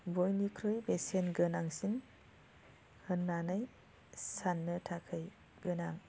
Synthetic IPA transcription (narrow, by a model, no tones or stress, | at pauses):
bojnikʰɾɯjbesenɡɯnaŋsin | hɯnːanɯj | sanːɯtʰakʰɯj | ɡɯnaŋ